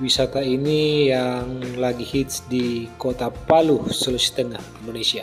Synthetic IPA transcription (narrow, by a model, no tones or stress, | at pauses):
wisat̪ainijaŋlaɡihit̪sdikot̪apalusələsi̥t̪əŋah | malesia